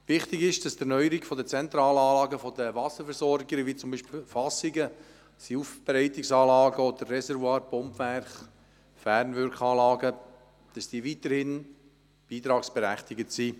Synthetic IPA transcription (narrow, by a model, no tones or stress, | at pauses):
ʋɪχt̪ɪɡɪʃd̥ɑsdɛnœʏəɾiɡfɔdət͡sɛnt̪ɾɑːləɑːlɑːɡəfɔdəʋɑsəɾfɛɾsɔɾɡəɡəʋit͡sʊmbiːʃpilfɑsɪɡə | siuːfb̥ɛɾɛɪt̪ɪksɑːlɑːɡəɔd̪ərːɛsɛɾvwɑːɾpɔmpvæɾχ | fæːɾnʋʏɾkχɑːlɑːɡə | d̥ɑsd̥iːəʋit̪əɾhɪn | b̥iːt̪ɾɑːksb̥ɛɾæχt̪ɪɡətsiː